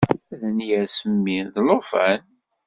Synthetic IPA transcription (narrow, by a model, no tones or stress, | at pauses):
æðənjæɾsəmːiðlofæn